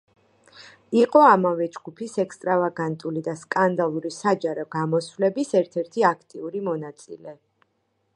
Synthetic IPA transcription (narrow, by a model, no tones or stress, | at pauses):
iqʼɔamavɛd͡ʒɡupʰisɛkst̪ʼɾavaɡant̪ʼulid̪askʼand̪alˠuɾisad͡ʒaɾɔɡamɔsvlɛbisɛɾt̪ʰɛɾt̪ʰiakʰt̪ʼiuɾimɔnat̪sʼḭlɛ